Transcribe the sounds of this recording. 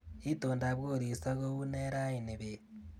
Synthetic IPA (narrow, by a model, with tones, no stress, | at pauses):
i˦toː˨nda˨βɣoː˦˨ɾi˨sa˦ɣo˦u˦ne˦ɾa˦i˨ni˨βe˨